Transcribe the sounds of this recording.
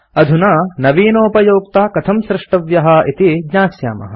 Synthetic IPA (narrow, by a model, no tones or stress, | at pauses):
ɐd̪ʱunɐnɐʋiːnoːpɐjoːkt̪aːkɐt̪ʰɐmsɾɪʂʈɐʋjɐɦɐit̪iɡɲaːsja̰ːmɐ̰ɦɐ̆